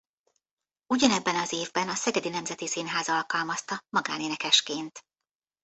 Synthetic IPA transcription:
uɟɒnɛbːɛnɒzeːvbɛnɒsɛɡɛd̪inɛmzɛt̪isiːnɦaːzɒɒlkɒlmɒst̪ɒmɒɡa̰ːneːnɛkɛʃkeːnt̪

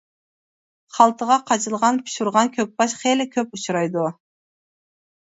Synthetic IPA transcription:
χɑlˠt̪ɨʁɑqʰɑt͡ʃɯlˠʁɑnpʰʊ̥ʃuɾʁɑnkʲʰøk̚bɑʃχelʲɪkʲʰøput͡ʃɾɑjd̪u

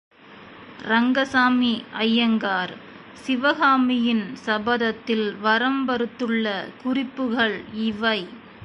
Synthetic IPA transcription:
ɾɐŋɡɐsaːmiʔɐjːɐŋɡaːɾ | sɪʋɐɣaːmɪjɪnsɐbɐðɐt̪ːɪlʋɐɾɐmbɐɾɯt̪ːɯɭːɐkʊrɪpːɯɣɐɭɪʋɐɪ

